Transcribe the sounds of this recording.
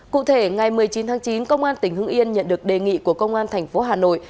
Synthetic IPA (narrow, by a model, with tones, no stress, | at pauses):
kṵ˧˨t̪ʰe˧˩ŋa˨˩jmɨ˨˩əjt͡ɕi˨˦nt̪ʰaː˨˦ŋt͡ɕi˨˦nkə˧wŋ͡mʔaː˧nt̪ï˧˩ŋ̟hɨ˧əŋʔi˧ənɲə̰˧˨nɗɨ˨˩ək̚ɗe˨˩ŋḭ˧˨ku˧˩əkə˧wŋ͡mʔaː˧nt̪ʰa˨˩jŋ̟fo˨˦ɦaː˨˩no̰˧˨j